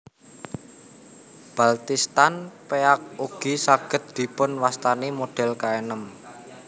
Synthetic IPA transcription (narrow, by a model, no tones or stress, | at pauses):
b̥a̤lt̪ist̪anpeak̚uɡ̥isaɡ̥ə̤t̪̚d̪̥i̤pʊnwast̪anemoɖ̥ɛ̤lkaenəm